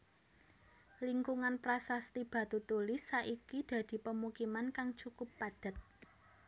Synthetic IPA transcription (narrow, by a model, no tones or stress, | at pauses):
liŋkuŋanpɾasast̪ib̥ä̤t̪ut̪ulɪsːaʔikid̪̥ä̤d̪̥i̤pəmukimankaŋt͡ʃukʊpːad̪̥a̤t̪̚